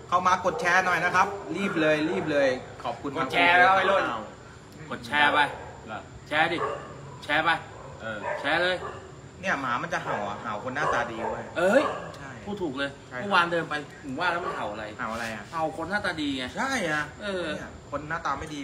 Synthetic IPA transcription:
kʰa˧˩wmaː˧ko˨˩t̪̚t͡ɕʰɛː˦˥nɔ˨˩jna˦˥kʰa˦˥p̚liː˥˩p̬̚lɤː˧jliː˥˩p̬̚lɤː˧jkʰɔː˨˩p̚kʰu˧nma˧˥˩k̚t͡ɕʰɛa˧˦˥a˨lo˥˩a˧˨˩w | ko˨˩t̪̚t͡ɕʰɛː˦˥pa˧j | t͡ɕʰɛː˦˥diː˧˩ | t͡ɕʰɛː˦˥pa˧j | ʔɤː˧˩˨t͡ɕʰɛː˨˦˥lɤː˧j | ni˥˩ɐmaː˩˦ma˧nt͡ɕa˨˩ɦa˨˩˦wʔa̰˨˩ɦaː˩˦wkʰo˧nːaː˥˩t̪aː˧diː˧du˥˩əjʔɤː˧jt͡ɕʰa˥˩jʰuː˧˩t̪ʰuː˨˩k̚lɤː˧jʰmː˥˩waː˧ndɤː˧mpa˧jpʰu˩˦waː˥˩lɛ˦˥ma˧nɦa˨˩˦wʔa˧ɾa˧jhaː˨˩˦wʔa˧ɾa˧ja˨˩ha˨˩wkʰo˧nːaː˥˩t̪aː˧diː˧ŋa˧˩t͡ɕʰa˥˩jʔa˨˩ʔɤː˧nni˥˩ɐkʰo˧nːaː˥˩t̪aː˧ma˥˩jdiː˧

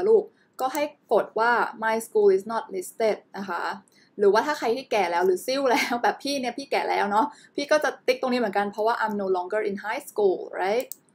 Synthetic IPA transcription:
luː˥˩k̚ | kɔː˥˩ɦa˥˩jko˨˩t̪̚waː˥˩ma˧jskuː˧li˨˩snɔ˦˥˩t̪̚li˦˥st̪e˥˩t̪̚na˧kʰa˦˥ | ɾɯː˩˦waː˥˩t̪ʰaː˥˩kʰa˧jt̪ʰiː˥˩kɛː˨˩lɛː˦˥wɾɯː˩˦si˥˩˨wlɛː˦˥wbɛː˨˩pʰiː˥˩ni˥˩ɐpʰiː˥˩kɛː˨˩lʔɛ̰ː˦˥wnɔ˦˥pʰiː˥˩kɔː˥˩t͡ɕa˨˩t̪i˦˥t̪o˧ŋniː˦˥mɯ˩˦ŋka˧npʰɾɔ˦˥waː˥˩ʔa˧jmnoː˧˩lɔː˧˥ŋɡə˥˩ʔi˨nɦa˦˥jskuː˧˩lɹa̰˦˥jt̪̚

